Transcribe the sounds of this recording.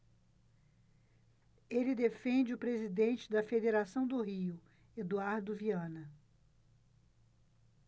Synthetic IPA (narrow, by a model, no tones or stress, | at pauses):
elɪd̪efẽnd͡ʒɪʊpɾezid̪ẽnt͡ʃɪd̪ɐfed̪eɾasɐ̃w̃d̪ʊɦiʊ | ed̪uaɾd̪ʊviɐ̃nɐ